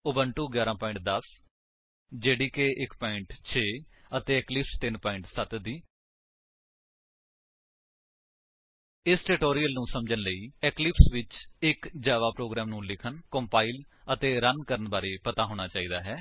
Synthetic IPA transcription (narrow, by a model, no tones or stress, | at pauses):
ʊbənʈuːɡjaːɾãːpaːɪ̃ɳʈ̚d̪əs | d͡ʒeːɽiːkeːʔɪkpaːɪɳʈt͡ʃʰeːət̪eːɛːklɪpst̪ɪnpaːɪ̃ɳʈsət̪d̪iː | ɪsʈeːʈoːɾijəlnũːsəmd͡ʒənləiːɛklɪpsʋɪt͡ʃɪkd͡ʒaːʋaːpɾoːɡɾɛːmnũːlɪkʰənkõːmpaːil | ət̪eːɾənkəɾənbaːɾeːpət̪aːɦoːɽ̃aːt͡ʃaːiːd̪aːɦɛː